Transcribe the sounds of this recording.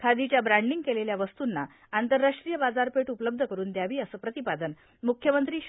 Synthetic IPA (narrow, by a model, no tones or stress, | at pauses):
kʰad̪it͡ɕjabɾaɳɖiŋɡkeleljaʋəst̪unːa | ant̪əɾːaʂʈɾijəbad͡zaɾpeʈupələb̚d̪ʱəkəɾuːnd̪jaʋiːəsəːpɾət̪ipad̪ən | mukʰːjəmənt̪ɾiː